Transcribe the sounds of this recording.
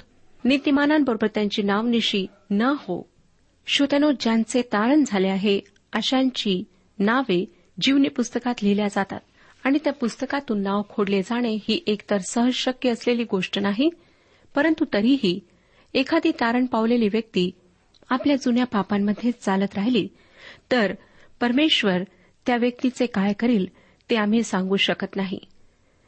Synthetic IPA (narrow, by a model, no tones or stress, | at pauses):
nit̪imananbəɾobəɾt̪jaɲt͡ɕiːnaʋniɕiː | nəho̰ | ɕot̪anod͡ʑant͡set̪aɾəɳd͡zʱaleaɦe | əɕaɲt͡ɕiː | naʋe | d͡ʑiʋnipust̪əkat̪liljad͡zat̪a̰t̪̚ | aɽ̃it̪japust̪əkat̪uːnːaʋkʰoɽled͡zaɽ̃ehiːʔekt̪əɾsəɦəd͡zɕəkjəːsleliːɡoʂʈənaɦi | pəɾənt̪ut̪əɾiːɦiː | ekʰad̪ʱiːt̪aɾəɳpaʋleliːʋjək̚t̪iː | apljad͡zunjapapamːəd̪ʱjet͡sd͡zalət̪ɾaɦiliː | t̪əɾ | pəɾmeɕʋəɾ | t̪jaʋjək̚t̪it͡sekajkəɾiːl | t̪eam̤iːsãŋɡuːɕəkət̪naɦḭ